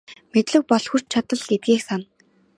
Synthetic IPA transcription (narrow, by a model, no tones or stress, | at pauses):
met̪ɮɘ̆k̚pɔɮxur̥t͡ɕt͡ɕʰat̪ə̆ɮet̪̚ɡeːxsan